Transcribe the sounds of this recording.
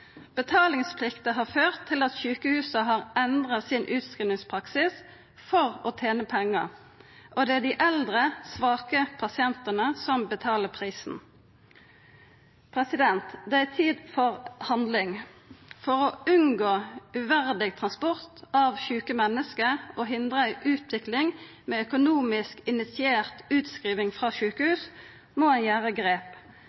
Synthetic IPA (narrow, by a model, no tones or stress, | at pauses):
b̥ət̪ʰɑːlɪŋspʰlɪkt̪əɦɑːføːʁt̪ʰːɪlɑt̪çʉːkəhʉːsəɦɑːʁɛnd̪ʁɑsɪnʔʉːt̪skʁɪnɪŋspʰʁɑksɪs | fɔʁoːt̪ʰeːnəpʰɛŋːə̰ʁ | ʔɔd̪ɛæɖɪʔɛld̪ʁəsʋɑːkəpʰɑsɪɛnt̪ənəsɔmbət̪ʰɑːləpʰʁiːsn̩ | pʰʁɛsɪd̪ɛnt̪d̪ɛæt̪ʰiːd̪fɔʁhɑnd̪lɪŋfɔʁoʉnɡoːʉʋæʁd̪ɪɡ̚t̪ʰʁɑnspɔʁt̪ʔɑʋçʉːkəmɛnːəskəʔoːɦɪnd̪ʁəɪʔʉːt̪ʰʋɪklɪŋ | meːœkʊnuːmɪskɪnɪt̪sɪeːʁt̪ʉːt̪skʁiːʋɪŋfʁɑːʃʉːkəhʉːs | moænjæːʁəɡʁeːp